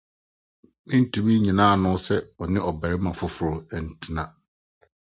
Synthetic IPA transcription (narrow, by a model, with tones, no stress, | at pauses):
mĩ˦n̩˦tʰu˦bi˦ɲĩ˨nãː˦˨nʊ̃˦sɛ˦ɔ˨nɪ̃˦ɔ˨bæ˨ɾɪ˦mã˨fʊ˦fʊ˨ɾʊ˨æ˨n̩˨tʰi˨nã˨